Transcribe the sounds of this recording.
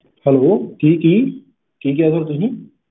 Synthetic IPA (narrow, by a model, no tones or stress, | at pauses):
hɛloːkiːkːiː | kiːk̬iɐɡəɾt̪uɦĩ